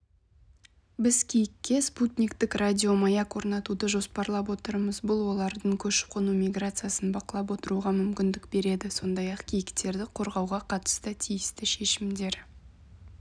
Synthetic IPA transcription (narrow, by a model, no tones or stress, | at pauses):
bɪzkʲʰijɪkʲːe̞sput̪nʲikt̪ɪkradʲio̞mɑjɑkwo̞ɾnɑt̪ud̪əʒo̞spɑɾlˠɑp̬wo̞t̪əɾməzbʊlˠwo̞lˠɑɾd̪əɴkʲʰɵʃɪ̥p̚qʰonumʲiɡrat̪sɨjasənbɑqəlˠɑp̬wo̞t̪əɾuʁɑmʏmkʲɪnd̪ɪkbe̞ɾe̞d̪ɪso̞nd̪ɑjɑqkʲʰijɪkt̪e̞ɾd̪ɪqʰo̞ɾʁɑwʁɑqʰɑt̪ə̥st̪ət̪ʰijɪst̪ɪʃe̞ʃɪmd̪e̞ɾ